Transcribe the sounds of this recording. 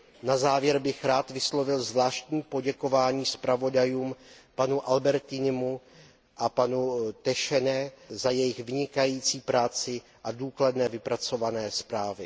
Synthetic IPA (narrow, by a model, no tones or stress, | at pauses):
nazaːvjɛɾbɪxɾaːt̪vɪslo̞vɪlzvlaːʃt̪ɲiːpo̞ɟɛko̞vaːɲiːspɾavo̞dajuːmpanuʔalbɛɾt̪ɪnɪmu | ʔapanut̪ɛʃɛnɛzajɛjɪxvɪɲɪkajiːt͡siːpɾaːt͡sɪ | ʔaduːkladnɛːvɪpɾat͡so̞vanɛːspɾaːvɪ